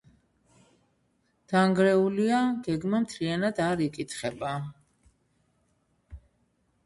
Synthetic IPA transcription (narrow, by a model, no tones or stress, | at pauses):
d̪̥aŋɡɾɛuliaɡɛɡmamt̪ʰɾianad̪aɾikʼit̪ʰχɛba